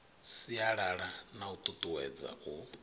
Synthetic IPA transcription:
siaɺaɺanaut̪ʼut̪ʼuwɛ̰d͡za̰u

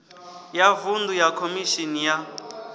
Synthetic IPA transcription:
javundujakʰomiʃinija

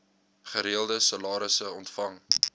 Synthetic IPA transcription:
χəɾiəlˠdəsɐlɑːɾəsəɔntfɐŋ

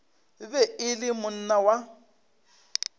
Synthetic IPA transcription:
bɛɪlɪmʊn̩nawa

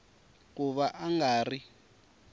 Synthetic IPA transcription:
k̬uβaʔaŋɡaːri

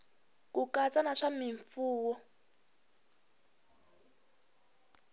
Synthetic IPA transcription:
kukat͡sanaʂamiɱfuːwɔ

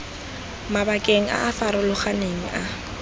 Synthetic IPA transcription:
mabakʼeŋ̩a̰ːfaɾʊlʊχaneŋ̩ʔa

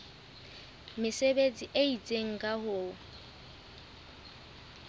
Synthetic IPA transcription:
mɪsebet͡sʼiʔeit͡sʼeŋ̩kʼahʊ

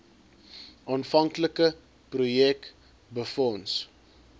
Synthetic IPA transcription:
ʔɑːnfɐŋkləkə | prujɛk | bəfɔns

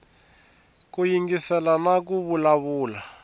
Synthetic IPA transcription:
k̬ujiŋɡisɛlanak̬uβulaβuːla

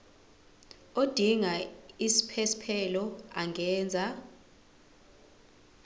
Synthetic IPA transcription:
od̥ʱiŋaisi̥pʰɛsi̥pʰɛlɔaŋʱɛːnd͡zʱa

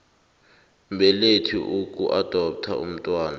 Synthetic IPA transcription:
mbʱɛletʰiʔukʼuʔad̥ʱɔp̚tʰa̰ṵm̩tʼwaːna

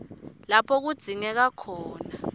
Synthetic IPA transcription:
lapʰɔk̬ud̥z̥ʱiŋɛk̬akʰɔːna

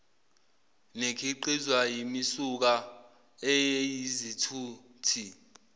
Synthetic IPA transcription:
nekʰiǃizwajimisuk̬a | ɛjejizitʰuː | tʰi

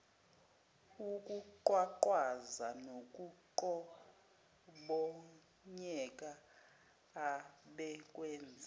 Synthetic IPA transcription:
ukʼuǃwaǃwazanok̬ʼuǃɔ | ɓɔ | ɲɛk̬ʼaː | ɓɛk̬ʼwɛːnd͡zʱa

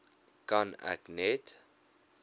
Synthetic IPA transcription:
kana̰knɛt

